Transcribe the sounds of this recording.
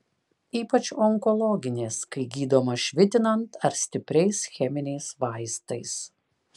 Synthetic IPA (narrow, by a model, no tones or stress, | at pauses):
iːpɐt͡ʃɔŋkɔlˠɔɡʲɪnʲeːskɐɪɡʲiːd̪oːmɐʃʲʋʲɪt̪ʲɪnɐnt̪ɐɾsʲt̪ʲɪpʲɾʲɛɪsxʲɛmʲɪnʲɛɪsʋɐɪst̪ɐɪs